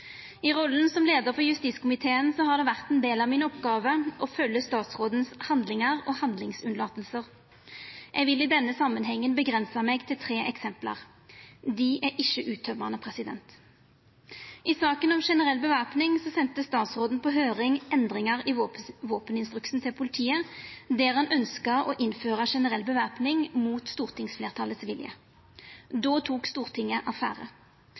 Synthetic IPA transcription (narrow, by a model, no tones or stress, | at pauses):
ɪʁɔlːn̩sɔmleːd̪əʁfɔjʉst̪iːt̪skʊmɪt̪ʰeːənsɔhɑd̪ɛːʋæʁt̪ɛnd̪eːlɑʋmɪnɔpɡɑːʋəʔɔfœlːəst̪ɑːt̪sʁoːd̪n̩shɑnd̪lɪŋəʁɔːhɑnd̪lɪŋsʉnlɑːt̪əlsəʁ | jʔɛɡʋɪlɪd̪ɛnːəsɑmːənɦɛŋːənbəɡʁɛnsɑmɛɡt̪ʰɪlt̪ʰʁeːʔɛksɛmplə̰ʁ | d̪ɪʔæʔɪçəʔʉːt̪ʰœmənəpʰʁɛsɪd̪ɛ̰nt̪ | ʔɪsɑːkənɔmʂɛnəʁɛlbəʋæʁpnɪŋsɔsɛnt̪əst̪ɑːt̪sʁoːd̪n̩pʰɔɦøːʁɪŋʔɛnd̪ʁɪŋɑʁɪʋoːpənɪnst̪ʁʉksn̩t̪ʰɪlpʰʊlɪt̪ʰiːəd̪eːʁhɑnʔœnskəʁɔ̰ʔɪnføːʁəʂɛnəʁɛlːbəʋæːpnɪŋmuːt̪st̪uːʁt̪ʰɪŋsfleːʁt̪ʰɑlət̪sʋɪljə̰ | d̪oːt̪ʰuːkst̪uːʁt̪ʰɪŋːəʔɑfæ̰ːʁə̰